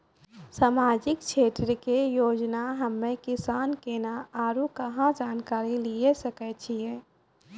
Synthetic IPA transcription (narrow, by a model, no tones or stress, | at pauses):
saːmaːd͡ʒɪkt͡ʃʰeːt̪ɾəkejoːd͡ʒnaɦəmːẽkɪsaːnkeːnaaːɾukəɦãd͡ʒaːnkaːɾiliesəkɛt͡ʃʰijɛ